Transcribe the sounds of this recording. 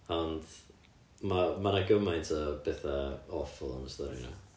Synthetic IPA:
ɔnd̥ | mamanaɡəmajntʰəb̥ɛθaɔfʊlˠɔ̰nəstɔɾḭna̰

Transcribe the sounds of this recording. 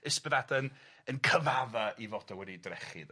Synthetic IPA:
əspəðadən | ənkʰəvaðaʔivɔdawɛdidrɛχɨ̰ð

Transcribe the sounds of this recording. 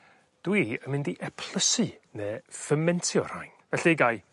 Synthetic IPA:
d̥wiːəmɪndiʔɛpʰl̥ˠəsɨneːfəmɛntʰjɔr̥a̰jnvɛɬiɡaj

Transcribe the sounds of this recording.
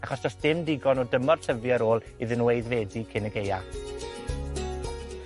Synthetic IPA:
aχɔsdɔsd̥ɪmdɪɡɔnɔdəmɔr̥tʰəvjaɾoːlˠ | iðənweɨðvɛːdikʰɪnəɡeja

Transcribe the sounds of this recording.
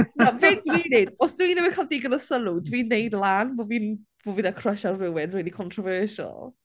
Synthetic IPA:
navedwiːnejdɔsd̥wiːnɛməkʰalˠdiːɡənəsəlˠudwinejdlˠaːnvoviːn | voviðakʰrəʃarrɪwɛnriːlikʰɔntʰrɔvɜːʃa̰lˠ

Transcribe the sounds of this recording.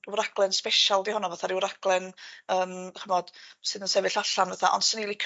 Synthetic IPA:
wɾaɡ̥lˠɛnspɛʃalˠdihɔnɔvaθaɾiwɾaɡ̥lˠɛnəːmχəmɔd̥sɨðənsɛvɨɬaɬanvaθaʔɔ̰nsɪnilˠikʰ

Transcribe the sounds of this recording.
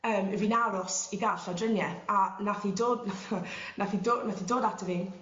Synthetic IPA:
əːməvinaɾʊsiɡaɬadrənjɛθanaθidoːdnaθnaθidoːnaθidoːdatʰəviːn

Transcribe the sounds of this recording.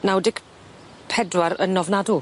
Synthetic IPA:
nawdɪɡ | pʰɛdwaɾənɔvnadu

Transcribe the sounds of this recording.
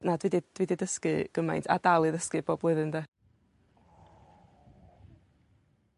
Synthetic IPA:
nadwidid̥wididəskɨɡ̥əma̰jntʰa̰d̥alˠɨðəskɨboːb̥lˠʊɨðɨnd̪ɛ

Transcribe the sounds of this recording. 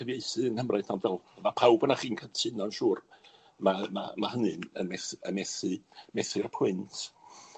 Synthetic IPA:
əvjejθɨənhəmrʔaɨθnandɛlˠəmapʰawbnaχiːnkʰatʰɪnɔnʃuːr | mama̰mahənɨnə̰nmɛθəmɛθɨmɛθɨrpʰʊɨntʰ

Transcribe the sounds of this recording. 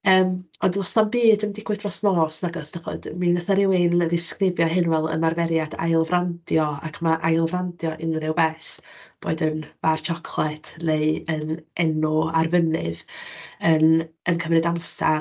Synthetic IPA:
əːm | ɔndlɔsnanbiːdəmdɪkʰwɨθrɔsnɔsnaɡɔsd̥aχɔ̰d̥minəθaɾɪwenðɪskrɪvjɔɦɪnvɛlˠə̰nmarvɛɾjadʰa̰jlˠvrandjɔa̰kʰmaʔajlˠvrandjɔʔɪnnɪwbɛsb̥oːɨdənv̥art͡ʃʰɔkʰlˠɛtʰnejənɛnɔarvənɨ̰ðənənkʰəmrɨdamsa

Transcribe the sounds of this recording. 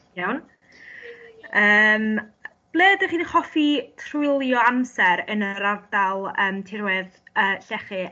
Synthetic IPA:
jawn | əːm | b̥lˠeːdəχiːnχɔfitʰrʊɪlˠjɔamsɛɾənəɾavdalˠəːmtʰɪɾwɛðəːɬɛχɨ

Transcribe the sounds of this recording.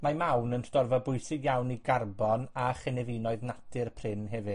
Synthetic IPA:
mamawnənsdɔrvɔbʊɨsɪɡjawniɡarbɔnaχɛnɛvinɔɨðnatʰɨrpʰr̥ɪnɦɛvɨ

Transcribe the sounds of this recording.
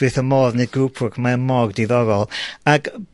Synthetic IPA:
ɨθəmɔːðneɡuːpʰʊkʰmaəmɔːɡdiðɔɾɔlˠaɡ

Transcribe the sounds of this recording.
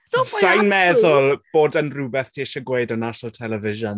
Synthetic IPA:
sajnmɛðʊlˠb̥oːdənrubɛθtʰiɪʃɔɡweːdənaʃɔlˠtʰɛlɛvɪʒɔn

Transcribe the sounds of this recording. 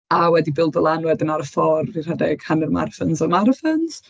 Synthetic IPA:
awɛdibɪlˠdɔlˠanwɛdənaɾəfɔrvir̥adɛɡ̥hanərma̰rfənsɔrmaɾəfəns

